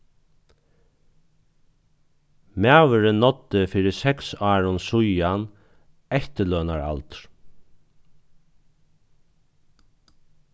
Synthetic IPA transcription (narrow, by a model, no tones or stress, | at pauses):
mæːʋəɾənɔt̪ːəfiːɾɪsɛksɑːɹʊnsʊjan | ɛht̪əlœːnaɹa̰lt̪ɾ